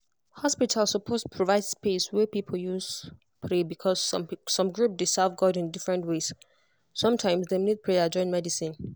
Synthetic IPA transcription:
hɔspitʰalˠsɔpʰospʰɹɔvaɪdspeswɛpipʰol̩ˠjuz | pʰɹebikʰɔzːɔ̃mɡɹup̚desɛlvɡɔdĩndifɹɛ̃ntwes | sʌ̃mtʰãɪ̃msdemid̚pʰɹead͡ʒɔ̃ɪ̃nmɛdisĩn

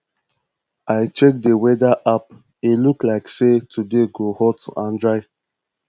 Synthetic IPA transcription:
aɪt͡ʃek̚dəwɛdaʔap̚ | eluklaɪksetʰudeɡohɔtuʔãndɹaɪ

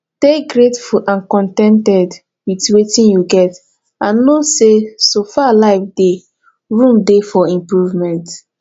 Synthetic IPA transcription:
teɡɹetfuʔãnkɔ̃ntɛ̃ntɛd | witwetĩnjuɡɛt | ãnːosesofalaɪfde | ɹũmdefɔĩmpɹuvmɛ̃nt

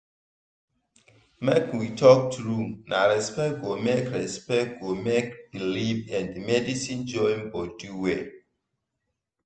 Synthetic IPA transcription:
mɛkwitʰɔk̚tɹumnʔaɹɛspɛtɡomekɹɛspɛt̚ɡomek̚bilivɛ̃ndmɛdisĩnd͡ʒɔ̃ĩmbɔduwe

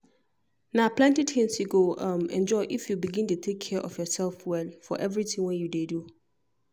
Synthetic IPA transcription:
nãpʰlɛ̃ntidhɛ̃msuɡoãmɛ̰̃nd͡ʒɔɪʔifjubiɡɪ̃ntʰutʰekʰːɛʔɔ̰fjɔsɛlfwɛlfɔ̰ʔɛvɹitʰɪ̃ŋwɛ̃njudedu

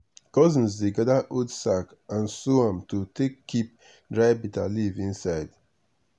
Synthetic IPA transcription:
kɔzĩn̩zdeɡadaʔodsak | ãnsuãmtotʰekːip̚ | dɹaɪbita̰livĩnsaɪd

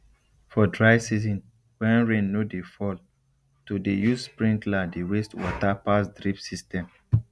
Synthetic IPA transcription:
fɔdɹaɪsizɔ̃n | wɛ̃nɹẽnːudefɔl | tudejuspɹĩntladiɹestwɔ̰tapasdɹipsistɛ̃m

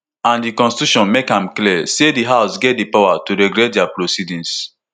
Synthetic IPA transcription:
ãndikɔ̃nsi̥tuʃɔ̃nmekhãmklisediɦaʊsɡɛt̚dipawatuɾɛɡɾɛt̚diapɹosidĩns

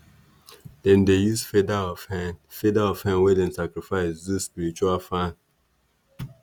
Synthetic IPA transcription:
d̥ɛ̃ndejusfedaɔfhɛnfedaɔfhɛ̃nwɛdɛ̃nsakɹifaɪsdispiɹit͡ʃuafãn

